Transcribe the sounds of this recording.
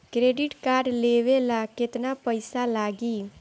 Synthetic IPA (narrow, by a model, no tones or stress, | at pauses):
kɾeːɖɪʈkaːɾɖleːʋelakɪt̪napəɪsalaːɡiː